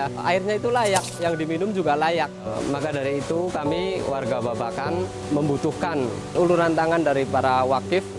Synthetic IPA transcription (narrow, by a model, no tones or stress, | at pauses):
a̰ɪrɲait̪ulajak̚jaŋdiminʊmd͡ʒuɡalajak̚makadaɾiːt̪ukamiwarɡababakan | məmbut̪uhkan | uluɾant̪aŋandaɾipaɾawakɪf